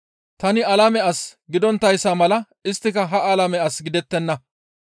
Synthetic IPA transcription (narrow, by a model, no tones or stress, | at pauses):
t̪ɐnɪɐlɐmɛɐsɡɪd̪ɔnt̪ːɐjsːaːmɐlɐ | ɪst̪ːɪkɐɦɐʔɐlɐmɛɐsɡɪd̪ɛt̪ːɛnːɐ